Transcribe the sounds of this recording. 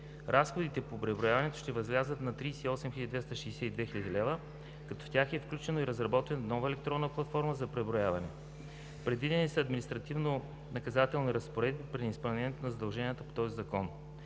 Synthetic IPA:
ɾasxod̪it̪ɛpopɾɛbɾoʊjavɐnɛt̪o̥ʃt̪ɛvɐzlʲazət̪nɐt̪ɾiːsɛiɔsɛmxilʲəd̪id̪vɛst̪əʃɛːsɛid̪vɛxiʎʲəd̪ilɛvə | kɐt̪ɔft̪ʲaxɛfklʲut͡ʃɛnoiɾəzɾɐbɔt̪vɛnnɔvəɛlɛkt̪ɾɔnːəplˠɐt̪fɔɾməzɐpɾɛbɾojavɐnɛ | pɾɛd̪vid̪ɛnisəɐd̪minist̪ɾɐt̪ivno | nɐkɐzat̪ɛlˠniɾəspoɾɛd̪̚bipɾiispɐlˠnʲɛniɛt̪onɐzɐd̪ɐlˠʒɛniət̪əpo̥t̪ɔzizɐkɔn

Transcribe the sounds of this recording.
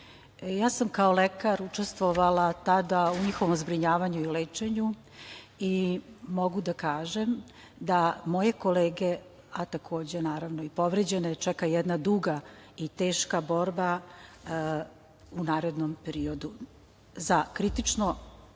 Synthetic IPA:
jaːsamkaolekaɾut͡ʃest̪ʋoʋalat̪ad̪auɲixo̞ʋomzbɾiɲaːʋaɲuileːt͡ʃe̞ɲu | imo̞ɡud̪akaːʒem | d̪amo̞je̞ko̞leːɡe | at̪akʰo̞ːd͡ʑenaːɾaʋnoipo̞ʋɾed͡ʑe̞net͡ʃɛkajɛd̪nad̪uɡait̪eːʃkabo̞ɾba | unaːɾe̞d̪nompeɾio̞d̪u | zakɾit̪it͡ʃno

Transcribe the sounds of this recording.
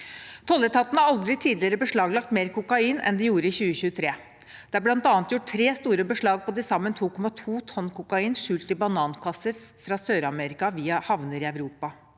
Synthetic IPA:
t̪ʰɔlːət̪ʰɑt̪ːnəɑɾɑld̪ɾɪt̪ʰiːd̪lɪəɾəbəʂɭɑːɡlɑk̚t̪meːɾkʊkɑiːnɛ̰nd̪ɛjuːɾəɪçʉːəçʉːət̪ʰɾeː | d̪̥ɛæɾblɑnt̪ɑːɑnt̪jʊʈ̚ʰtɾeːst̪uːɾəbəʂɭɑːɡ̚pʰɔd̪ɪsɑmːənt̪ʰuːkʰɔmɑt̪ʰuːt̪ʰɔnːkʊkɑiːnʂʉːlt̪ɪbɑnɑːnkʰɑsəfɾɑsøːɾɑmɛɾɪkɑʋiːəhɑʋnəɾɪœʋɾuːpɑ

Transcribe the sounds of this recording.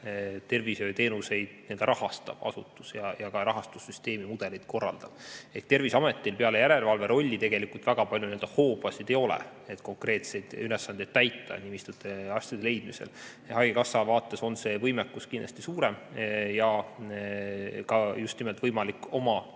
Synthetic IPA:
t̪e̞rvisøt̪e̞ːnuse̞jd̪̥nend̪̥ɾʔɑhɑst̪ɑ̰b̥ɑ̰sut̪ːˑusjɑjɑkɑɾɑɦɑst̪usːyst̪e̞ːmimud̪̥e̞lid̪̥ko̞rːɑ̰ld̪̥ɑb̥ehkt̪e̞rvisɑme̞t̪ːˑilpeɑle̞jæɾe̞lvɑlve̞ɾo̞lʲːit̪e̞ɡe̞likult̪væɡ̥ɑpɑlʲjunield̪ɑhoːb̥ɑsid̪e̞jo̞lɛ̰ | et̪ˑko̞ŋkre̞ːt̪se̞jd̪̥ylesːɑnd̪ed̪̥̚t̪æjt̪ːˑɑ̰nimist̪ut̪ːˑeɑsʲt̪id̪e̞le̞jd̪̥mise̞̰l | hɑjɡekɑsːɑvɑːt̪ːe̞so̞nse̞ːvɤjmekːuskind̥̪lɑ̥̰sʲt̪isuːɾemjɑ | kɑjust̪nimelt̪vɤjmɑlikːo̞mɑ

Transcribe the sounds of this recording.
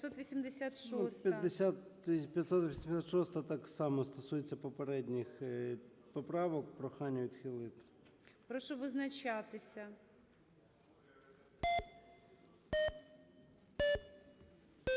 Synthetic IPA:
t̪sɔt̪ʋisʲimd̪ɪsʲat̪ʃɔst̪pʲjɐd̪ɪsʲat̪pʲjɐt̪sɔt̪ʋɔsʲimd̪ʲsʲat̪ʃɔst̪ɐt̪aksɑmɔst̪ɔsujet͡sʲːɐpɔpɐɾɛd̪ʲnʲɪx | pɔpɾɑʋɔkpɾɔxanʲːɛʋʲid̪xɪlˠɪt̪ | pɾɔʃɔʋɨznɐt͡ɕat̪ɪsʲɐ

